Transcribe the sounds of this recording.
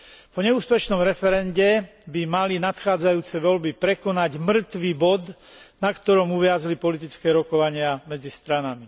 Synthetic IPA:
pɔɲɛuːspɛʃnɔmɾɛfɛɾɛnɟɛ | bimalinat̪xaːd͡zajuːt͡sɛʋɔlbipɾɛkɔnaɟmr̩t̪ʋiːbɔd̪ | nakt̪ɔɾɔmuʋɪazlipɔlit̪̬it͡skɛːɾɔkɔʋaɲɪamɛd͡zist̪ɾanami

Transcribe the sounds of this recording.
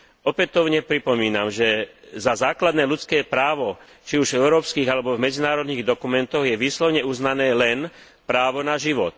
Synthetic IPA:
ɔpɛt̪ɔʊɲɛpɾipɔmiːnamʒɛzazaːklad̪nɛːlut͡skɛːpɾaːʋɔ | t͡ʃiuʒvɛʊɾɔːpskiːɣalɛbɔvmɛd͡zinaːɾɔd̪niːɣd̪ɔkumɛnt̪ɔɣjɛʋiːslɔʊɲɛuznanɛːlɛn | pɾaːʋɔnaʒiʋɔt̪̚

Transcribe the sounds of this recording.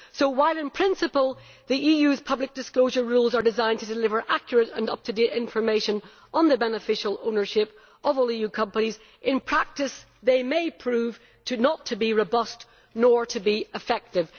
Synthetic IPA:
soʊwaɪlˠɪ̃npʰɹ̥ɪ̃nsɨpəlˠ | ðiʔijʉz̥pʰʌblɪk̚d̥ɨskloʊʒə˞ɹulˠzə˞dɨzãɪ̃ntʰɨdɪlɪvə˞ʔakjəɹɨɾə̰̃nʌ̰p̚tʰɨdeɾɪ̃ɱfə˞meɪʃə̃n | ʔə̃nðəbɛnəfɪʃəl̩ˠõnə˞ʃɪp | ʌvɔlˠijʉkʰʌ̃mpəniz | ʔɪ̃npʰɹ̥ak̚tɨs | ðeɪmeɪpʰɹ̥ʉv̥ | tʰɨnətʰɨbiɹobʌst | nəɹɾʰɨbiɪfɛk̚tɪv̥

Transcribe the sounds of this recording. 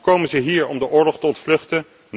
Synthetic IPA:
kowmənzəɦiːɹɔmdəʔʊːɹlɔχtəɔntflɵχtən | n

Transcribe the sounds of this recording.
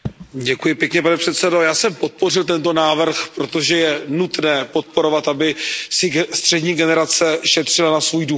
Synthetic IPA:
ɟɛkujɪpjɛkɲɛpanɛpr̥ɛt̪sɛdo̞jaːsɛmpo̞t̪̚po̞r̝ɪlt̪ɛnt̪o̞naːvr̩xpɾo̞t̪o̞ʒɛjɛnut̪nɛːpo̞t̪̚po̞ɾo̞vat̪ʔabɪsɪst̪r̝̥ɛdɲiːɡɛnɛɾat͡sɛʃɛt̪r̝̥ɪlanasvuːjdu

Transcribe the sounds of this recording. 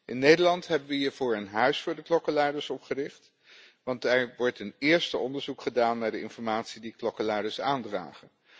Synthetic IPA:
ʔɪnːejdəlɑntɦɛbənʋəɦiːɹvʊːɹənɦœɥsfʊːɹdəklɔkəlɛjdəɹsɔpχərɪχt | ʋɑntɛɹʋɔɹtənɪːɹstəɔndəɹzukχədaːnːaːɹdəɪ̰nfɔɹmaːtsidiklɔkəlɛjdəɹsaːndra̰ːχən

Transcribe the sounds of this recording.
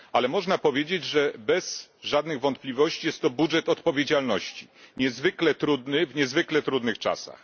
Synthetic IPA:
alɛmɔʐnapɔvʲjed͡ʑed͡ʑʐɛbɛzʐad̪nɘɣvɔnt̪̚plʲivɔɕt͡ɕijɛst̪ːɔbudʐɛt̪ɔt̪pɔvʲjed͡ʑalnɔɕt͡ɕi̥ɲɛzvɘklɛt̪ɾud̪nɘvɲɛzvɘklɛt̪ɾud̪nɘxt͡ʂa̰sa̰x

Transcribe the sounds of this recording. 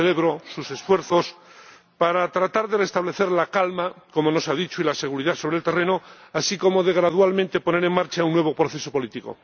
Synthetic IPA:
ele̞βɾosuse̞sfwe̞ɾθo̞s | paɾat̪ɾat̪aɾðerest̪aβle̞θe̞ɾlakalmako̞mono̞saðit͡ʃoilase̞ɣ̞uɾiðaso̞β̞ɾelt̪e̞re̞noasiko̞mo̞ðe̞ɣ̞ɾaðwalmẽnt̪e̞po̞ne̞ɾe̞ŋmaɾt͡ʃaunːwe̞β̞opɾo̞θe̞so̞po̞lit̪iko̞̰

